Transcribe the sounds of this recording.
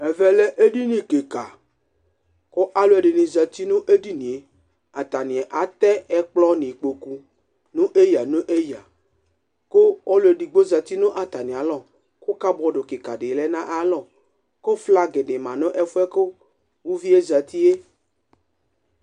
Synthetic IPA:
ɛ˨vɛ˨lɛ˦ʔe˦ɖi˦nĩ˨ke˨ka˨ | ko˦ʔa˦lo˦e˨ɖe˨nĩ˨za˨t̪i˦nõ˦ʔe˦di˦nĩ˨e˨ | a˨t̪a˨nĩ˨ɛ˨ʔa˨t̪ɛ˦ɛ˦k͡plɔ˦nĩ˨k͡po˨ku˦ | nũ˦ʔe˦ja˨nõ˦ʔe˦ja˨ | ko˦ɔ˦lo˨e˨ɖi˨ɡ͡bo˦za˨t̪i˦nõ˦ʔa˨t̪a˨nĩ˨a˨˦lɔ˨ | ko˦ka˦bɔ˨ɖo˨ke˨ka˨ɖe˨lɛ˦nã˦ʔa˦lɔ˨ | ko˦fla˦ɡe˨ɖe˨mã˨nõ˦ʔɛ˦fu˦ɛ˦ko˦ | wu˦vi˦e˦zɛ˨t̪i˦e˦

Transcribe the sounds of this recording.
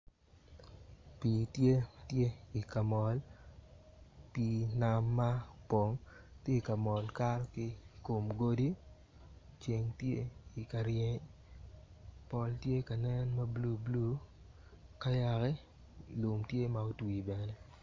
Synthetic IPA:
pi˨tje˦tje˦i˨ka˨mɔ˨l | pi˨na˦mːa˦po˨ŋtje˦i˨ka˨mɔ˨lka˦rkɪ˦ko˨mɡo˦di˦ | t͡ʃe˨ŋtje˦i˨ka˨ɾje˦ɲ | pɔ˨ltje˦ka˨nɛ˦nma˦blu˦blu˦ | ka˦ja˨kɛ˦˨ | lʊ˨mtje˦ma˨o˦twi˨bɛ˨ne˦

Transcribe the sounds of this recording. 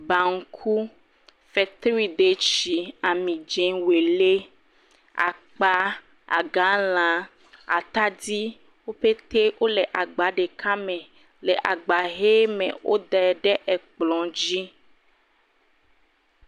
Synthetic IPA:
ba˨ŋ̩˦kʰu˦ | fɛ˨t̪ɾi˨d̪e˨t͡ʃi˨a˨mĩ˨d͡ʒẽ˨we˨le˦ | a̰˨k͡pa˦ | a̰˨ɡã˨˦l̃ã˨ | a̰˨t̪a˦d̪i˦ | wo˦ɸe˦t̪e˦wʔo˦lɛ˨ʔa˨ɡ͡ba˨ɖe˨ka˦mɛ̃˨ | lɛ˨ʔa˨ɡ͡ba˨ɦe˦mḛ̃˨wʔo̰˦d̪ɛ˨ɖɛ˦ʔɛ˨k͡plɔ̃˨d͡ʒi˦

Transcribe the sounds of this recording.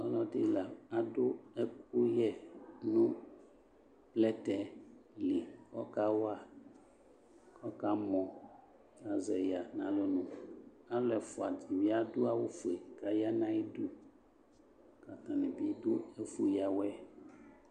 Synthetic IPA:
ɔ˦lɔ˦de˦la˨a˨dʊ˦ɛ˦k̚u˦jɛ˦nũ˦ | plɛ˦tɛ˨li˨kɔ˦ka˦wa˦˨ | kɔ˦ka˦mɔ̃˨ | a˨zɛ˨ja˨nã˨lo˦nũ˨ | a˦lɛ˨fɔ˨a˨di˨wi˦a˦do˦a˦wo˦fu˨e˨ka˨ja˦nã˦i˦du˦ | ka˨t̪ã˨nɛ̃˨bi˦do˦ɛ˦fu˨ja˨wɛ˦

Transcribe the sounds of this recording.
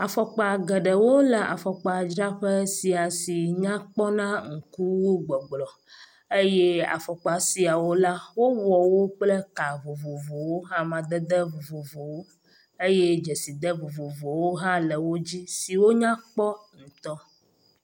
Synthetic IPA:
a˨fɔ˨k͡pa˨ɡɛ˨ɖɛ˨wo˦lɛ˨ʔa̰˨fɔ˨k͡pa˨d͡ʒɾa˦ɸɛ˦si˨a˨si˨ɲã˦k͡pɔ˦nã˦ŋ̩˨ku˦wo˦ɡ͡bɔ˨ɡ͡blɔ˨ | e˦jɛ˦a̰˨fɔ˨k͡pa˨si˨a˨wo˦la˦wo˦wɔ˨wo˦k͡plɛ˦ka˨vo˨vo˨vo˨wo˦ɦã˦mã˨d̪ɛ˦d̪ɛ˦vo˨vo˨vo˨wo˦ | e˦jɛ˦d͡ʒɛ˨si˨d̪ɛ˦vo˨vo˨vo˨wo˦ɦã˦lə˨wo˦d͡ʑi˦si˨wo˦ɲã˦k͡pɔ˦ŋũ˨t̪ɔ˦

